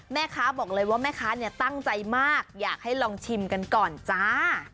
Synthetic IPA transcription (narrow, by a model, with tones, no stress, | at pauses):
mɛː˥˩kʰaː˦˥bɔː˨˩k̚lɤː˧jwaː˥˩mɛː˥˩kʰaː˦˥ni˥˩t̪a˥˩ŋt͡ɕa˧jmaː˥˩k̚jaː˨˩k̚ha˥˩jlɔː˧ŋt͡ɕʰi˧mka˧nkɔː˨˩nt͡ɕa˧˦